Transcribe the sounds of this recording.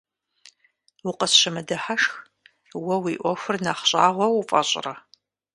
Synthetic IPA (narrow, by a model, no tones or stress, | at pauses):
wʊqəsʃɐmɐdɐħaʂx | wɐwiːʔʷɔxʷʊrnaχɕʼaːʁʷɔwufʼɐ̰ɕʼɪ̰rɐ